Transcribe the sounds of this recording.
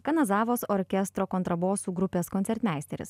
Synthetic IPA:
kɐnɐzɑːʋoːsɔɾʲkʲɛst̪ɾoːkɔnt̪ɾɐboːsuːɡɾʊpʲeːskɔnt̪ʲɛɾʲt̪ʲmʲæˑɪsʲt̪ʲɛɾʲɪ̰s

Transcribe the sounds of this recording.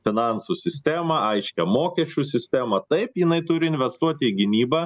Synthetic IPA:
fʲɪnɑnsusʲɪsʲt̪ʲæːmɐɐɪʃʲkʲɛmoːkʲɛʃʲt͡ʃʲusʲɪsʲt̪ʲæːmɐt̪ɐɪpjɪnɐɪt̪ʊɾʲɪɪnʲʋʲɛst̪uɔt̪ʲɪːɡʲɪnʲiːbɐ

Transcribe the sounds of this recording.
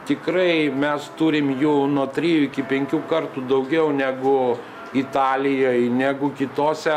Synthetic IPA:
t̪ʲɪkɾɐɪmʲɛst̪uːɾʲɪmjuːnuɔt̪ʲɾʲiːjuɪkʲɪpʲɛŋʲkʲuːkɐrt̪uːd̪ɐʊɡʲɛʊnʲæːɡʊ | it̪ɑːlʲɪjoːjnʲæːɡʊkʲɪt̪oːsʲɛ

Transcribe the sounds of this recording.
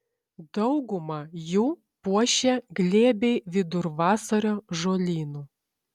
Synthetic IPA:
d̪ɐʊɡʊmɐjuː | puɔʃʲɛɡlʲeːbʲɛɪʋʲɪd̪ʊɾʋɑːsɐɾʲoːʒoːlʲiːnuː

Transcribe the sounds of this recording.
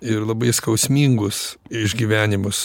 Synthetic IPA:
ɪɾlˠɐbɐɪskɐʊsʲmʲiːŋɡʊsɪʒʲɡʲiːʋʲæːnʲɪmʊs

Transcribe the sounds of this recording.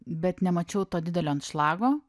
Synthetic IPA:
bʲɛt̪nʲɛmɐt͡ʃʲɛʊt̪oːd̪ʲɪd̪ʲɛlʲoːɐnt̪ʃlˠɑːɡoː

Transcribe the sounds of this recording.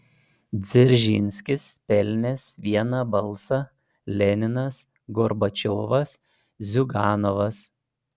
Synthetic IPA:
d̪zʲɪɾʲʒʲḭnʲsʲkʲɪspʲɛlʲnʲɛsʋʲiɛnɐbɐlˠˑsɐ | lʲɛnʲɪnɐs | ɡɔɾbɐt͡ʃʲoːʋɐs | zʲʊɡɑːnɔʋɐs

